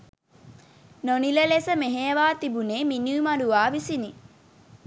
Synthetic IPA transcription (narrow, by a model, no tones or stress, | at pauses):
noniləlesəmeɦejəʋaːt̪ibuneːminuːmaɾuʋaːʋisini